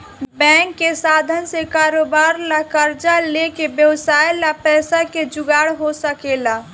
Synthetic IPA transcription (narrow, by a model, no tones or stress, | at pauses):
bɛ̃ŋkːesad̪ʱənsekaːɾobaɾlakəɾd͡ʒalekebjəwsajlapɛːsaked͡ʒʊɡaɽɦosəkela